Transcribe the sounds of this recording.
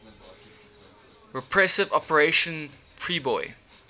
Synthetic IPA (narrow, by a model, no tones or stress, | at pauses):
ɹɛpʰɹɛsɪvɔpəɹeʃə̃n | pʰɹiːbɔɪ